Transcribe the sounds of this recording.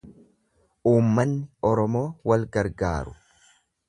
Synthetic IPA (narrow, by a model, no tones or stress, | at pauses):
ʔuːmːɐnːɪɔɾɔmo̞ːwɐlɡɐɾɡa̰ːɾʊ